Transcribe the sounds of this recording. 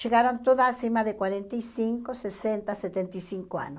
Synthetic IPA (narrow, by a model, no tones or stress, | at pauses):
t͡ʃeɣaɾont̪oðasimaðekwaɾent̪aisiŋkosesent̪aset̪ent̪ajsiŋkoa̰no